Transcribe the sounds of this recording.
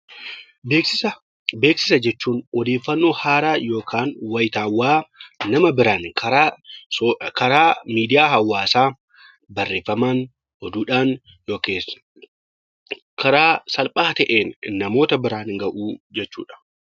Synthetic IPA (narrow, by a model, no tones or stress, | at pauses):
beːksɪ | be̞ːksɪ̥sɐd͡ʒɛt͡ʃːuːnɔd̪e̞ːfːɐnːo̞ːhaːɾaːjo̞ːkʰaːnwɐjɪt̪aːwːaːnɐmɐbɪɾaːnɐ | kɐɾaːmiːd̪ɪjaːɦɐwːaːsaː | bɐrːe̞ːfːɐmaːn | ɔd̪uːᶑaːn | joːkeːs | kʰɐɾaːsɐlpʼaːt̪ɐʔeːnːɐmo̞ːt̪ɐbɪɾaːnhɪŋɡɐʔuːd͡ʒɛt͡ʃːṵːᶑɐ̥